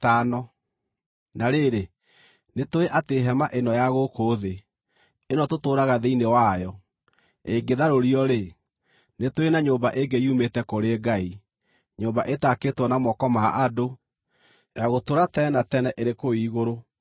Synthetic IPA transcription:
tanɔ | naɾeɾe | netoeʔateɦɛmaʔenɔjaɣokoðe | enɔtotoːɾaɣaðeinewajɔ | eɡeðaɾoɾiɔɾe | netoenaɲoːmbaʔeɡeiumetɛkoɾeɡai | ɲoːmbaʔetaketwɔnamɔkɔmaʔado | jaɣotoɾatɛnatɛnɛʔeɾekoiːɣoɾo

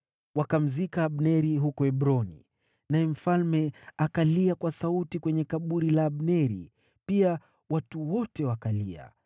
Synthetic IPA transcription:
wakam̩zikaːɓnɛɾiɦukɔɛɓɾɔnḭ | najɛm̩falmɛakaliakwasautikwɛɲɛkaɓuɾilaːɓnɛɾḭ | pia | watuwɔtɛwakalia̰

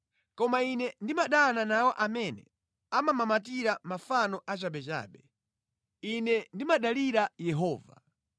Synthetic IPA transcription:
kɔmainɛndimaɗananawɔʔamɛnɛ̰ | amamamat̬iɾamafanɔʔat͡ʃaɓɛt͡ʃa̰ːɓɛ | inɛndimaɗaliɾajɛɦɔːva̰

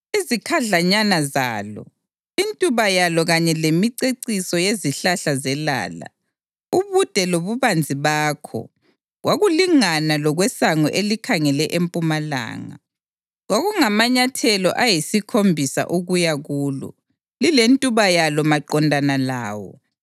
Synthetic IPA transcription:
izikʰaɮaɲanazaːlɔ̰ | intʼuβajalɔɣaɲɛlemiǀeǀisɔjeziɬaɬazɛla̰ːla̰ | uβud̥ʱɛloβuβand͡zʱiβaːkʰɔ̰ | ɣwaɣuliŋanalɔɣwɛsaŋɔ̰ʔelikʰaŋɛlɛʔempʼumala̰ːŋa̰ | ɣwaɣuŋamaɲatʰɛlɔ̰ʔajisikʰombʱisa̰ʔuɣujaɣuːlɔ̰ | lilentʼuβajalɔmaǃɔndʱanalaːwɔ̰

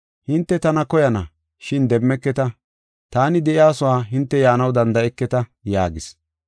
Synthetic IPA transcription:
hɪnt̪ːɛt̪ɐnɐkɔjɐnɐ | ʃɪnd̪ɛmːɛkːɛt̪ɐ | t̪aːnɪd̪ɛʔɪjaːsʊwaːɦɪnt̪ːɛjaːnɐwd̪ɐnd̪ɐɛkːɛt̪ɐja̰ːɡɪs

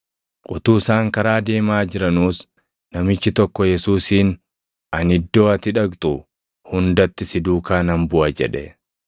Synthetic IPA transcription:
kʼʊt̪uːsaːŋkɐɾaːd̪e̞ːmaːd͡ʒɪɾɐnuːs | nɐmɪt͡ʃːɪt̪ɔkːɔjɛsuːsiːn | ɐnɪd̪ːo̞ːɐt̪ɪᶑɐkt̪ʼʊ | hʊnd̪ɐt̪ːɪsɪd̪uːkaːnɐmbʊʔɐd͡ʒɛᶑɛ

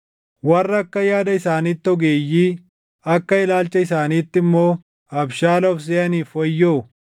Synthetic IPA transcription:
wɐrːɐkːɐjaːd̪ɐɪsaːniːt̪ːɔɡeːjːiː | ɐkːɐɪlaːlt͡ʃːɐɪsaːniːt̪ːɪmːo̞ː | ɐbʃaːlɔfs̬eːɐniːfɔjːoː

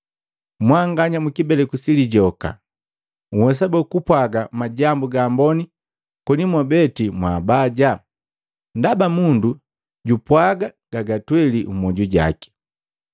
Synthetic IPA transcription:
mwaŋɡaɲamukibɛlɛkusiliɟɔka̰ | uhɛs̬abɛkupwaɡamaɟambuɡaːmbɔni | kɔnimwabɛtimwaːbaɟa | ndabamundu | ɟupwaɡaɡ̥aɡatwɛliumɔɟuɟa̰ki̥

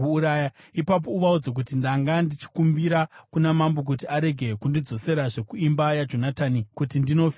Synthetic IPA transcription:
uuɾaːjaipap̬o̞uʋaud͡zek̬utindaŋɡandit͡ʃi̥kumbiɾakunamambok̬utiaɾe̞ɡʱe̞kundid͡zo̞se̞ɾaʐe̞kuimbajad͡ʒo̞nataːnikutindino̞f

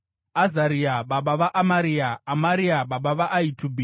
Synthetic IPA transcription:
azaɾiaɓaɓaʋaʔamaɾiaːmaɾiaɓaɓaʋaʔaitʰubʱi

